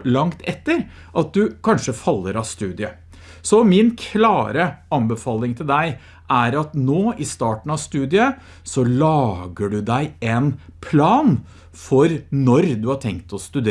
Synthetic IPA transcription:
lɑŋt̪ʰɛt̪ːəɾ | ʔɑt̪̚d̪ʉkʰɑnʂəfɑlːəɾɑst̪ʉːd̪ɪə | sɔmɪnkʰlɑːɾəɑnbəfɑːlɪŋt̪ʰɪld̪æɪ | ʔæɾɑt̪noːɪst̪ɑːʈɳ̩ɑst̪ʉːd̪ɪə | sɔlɑːɡəɖʉd̪æɪen | pʰlɑːn | fɔɾnɔɾd̪ʉhɑʈʰɛŋkt̪ʰɔst̪ʉd̪e

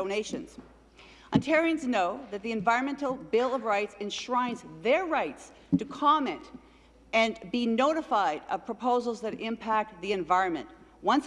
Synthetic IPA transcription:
oʊneɪʃɨ̃nz̥ | ə̃ntʰɛɹiɨ̃nznoʊðɨt̪̚ðiɨ̃ɱvaɪɹɨ̃nmɛ̃ntˡl̩ˠbɪlˠʌvɹaɪtsɨ̃nʃɹãɪ̃nzðə˞ɹaɪts | tʰɨkʰɑmɛ̃nt | ɨ̃nbinoʊɾəfaɪɾʌv̥pʰɹ̥əpʰoʊzl̩ˠzðɨɾɪ̃mpʰæk̚t̪̚ðiɨ̃ɱvaɪɹɨ̃nmɨ̰̃nʔ | wʌ̃ns

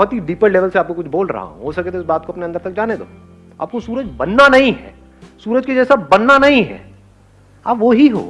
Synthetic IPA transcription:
bɔɦɔt̪ɦid̪iːpəɾleːʋəlseaːp̚kokʊt͡ʃʰboːlɾɐ̰ɦa̰ɦṵ̃ɦoːsɐket̪ʰeɪs̬baːt̪̚koɐpneɐnd̪əɾt̪ɐk̚d͡ʒaːned̪o̰ː | a̰ːp̚kosuːɾəd͡ʒbɐnːanɐɦĩɦɛ̰ː | suːɾəd͡ʒked͡ʒɛːsabɐnːanɐɦĩɦɛ̰ː | aːpʋoɦiɦo̰ː

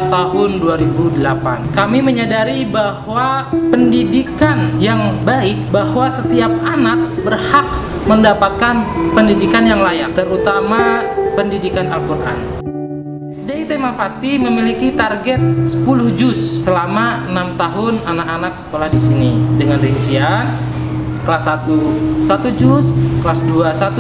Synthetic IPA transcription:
t̪aɦʊnduaɾibudəlapa̰nkamiməɲadaɾibahwapəndidikanjaŋbaɪk̚bahwasət̪iap̚anak̚bərhak̚ | məndapat̪̚kanpəndidikanjaŋlajat̪əɾut̪amapəndidikanalkurʔa̰n | sdeit̪emafat̪iməmilikit̪arɡɛt̪̚sə̥pulʊhd͡ʒʊssəlamaənamt̪aɦʊnanakanaksə̥kolahdisinidəŋanriɲt͡ʃian | kəlasːat̪usat̪ud͡ʒʊsklasduasat̪u

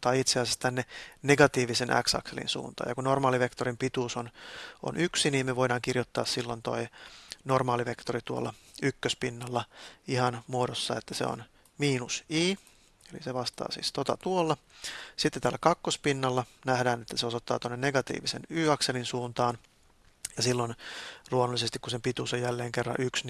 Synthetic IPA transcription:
t̪ɑiit̪seɑsjɑst̪ænːeneɡɑt̪iːʋisenʔæ̰ksɑ̰kselḭnsṵːnt̪ɑ̰ːjɑkunnormɑːliʋe̞kt̪orimpit̪uːsono̰nʔyksiniːmmeʋoidɑːŋkirjot̪ːɑ̰ːssilːont̪o̞̰inormɑːliʋe̞kt̪orit̪uo̰lːɑykːøspinːɑlːɑihɑnmuodosːɑet̪ːæsḛo̰n | miːnusiː | eliseʋɑst̪ɑ̰ːsḭːst̪ot̪ɑ̰t̪uolːɑsit̪ːet̪æːlːækɑkːospinːɑlːɑnæhdæːnet̪ːæseosot̪ːɑ̰ːt̪onːenneɡɑt̪ḭːʋisḛnyːɑkselinsuːnt̪ɑːn | jɑsilːonluonulːisest̪ikːusempit̪uːsojjælːeːŋkerːɑ̰ʔyksn

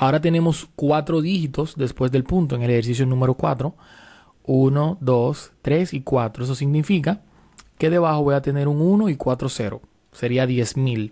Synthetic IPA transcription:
ao̞ɾat̪e̞ne̞mo̞skwat̪ɾo̞ðixit̪o̞sd̪e̞spwe̞zd̪e̞lpunt̪oeŋeleheɾsis̬jo̞nũme̞ɾo̞kwa̰t̪ɾo̞ | unod̪o̞st̪ɾe̞sikwat̪ɾoes̬o̞siɡnifika | ke̞ðe̞βaxo̞βo̞jat̪e̞ne̞ɾuŋuno̞ikwat̪ɾo̞se̞ɾo̞̰ | se̞ɾiaðje̞smil

